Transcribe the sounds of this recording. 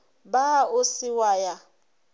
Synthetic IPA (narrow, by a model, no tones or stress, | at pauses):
baʊsɪwaja